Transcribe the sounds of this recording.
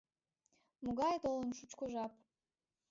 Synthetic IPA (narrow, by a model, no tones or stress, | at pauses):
muɡɑjt̪olənʃut͡ɕkoʒɑp̚